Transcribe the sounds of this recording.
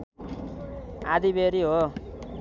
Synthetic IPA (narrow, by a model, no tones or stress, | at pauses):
a̰d̪ibeɾiɦo